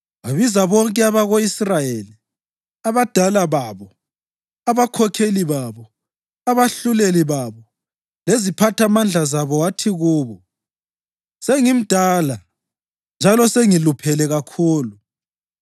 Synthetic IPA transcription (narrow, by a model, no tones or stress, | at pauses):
aβizaβɔŋkʼɛaβaɣoisrajeli | aβad̥ʱalaβaβɔ | aβakʰɔkʰeliβaβɔ | aβaɬuleliβaβɔ | lezipʰatʰamand͡ɮʱazaβɔwatʰiɣuːβɔ | seŋim̩d̥ʱaːla | nd͡ʒʱalɔseŋilupʰɛlɛɣakʰuːlu